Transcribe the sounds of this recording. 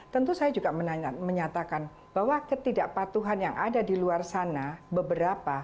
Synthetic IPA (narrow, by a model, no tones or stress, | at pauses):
t̪ənt̪usajad͡ʒuɡaməməɲat̪akan | b̥awakət̪idaʔpat̪uɦanjaŋʔadadiluarsanabəbəɾapa